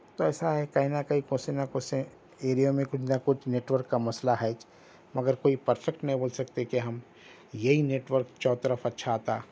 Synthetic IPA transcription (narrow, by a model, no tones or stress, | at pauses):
t̪oɛːsaɦɛkɐɦinakɐɦikõːsenakʊse | eːɾijomẽkʊt͡ʃʰnakʊt͡ʃʰneːʈʋəɾkːamɐslaɦɛːt͡ʃ | mɐɡəɾkoːipɐɾfʰɛkʈnɐɦĩboːlsɐkt̪ekeɦɐm | jɐɦineːʈwəɾkt͡ʃɔːt̪əɾəfɐtːʃʰat̪aː